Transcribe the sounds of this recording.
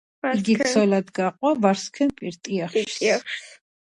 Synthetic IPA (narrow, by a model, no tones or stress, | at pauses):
iɡit̪sʰɔlad̪ɡaqʼwavaɾskʰɛnpʼiɾt̪ʼiaχʃ